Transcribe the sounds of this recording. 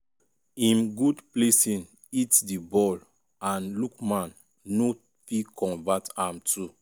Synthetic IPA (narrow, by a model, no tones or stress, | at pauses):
ĩmɡudplesĩn | itdibɔl | ãnlukmãnː | o | fikʰɔ̃ɱvatãmtʰu